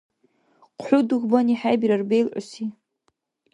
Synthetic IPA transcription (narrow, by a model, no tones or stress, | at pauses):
qʷʰħʷʊduɣʷbaniħajbiɾarbejlʔʷʊ̰si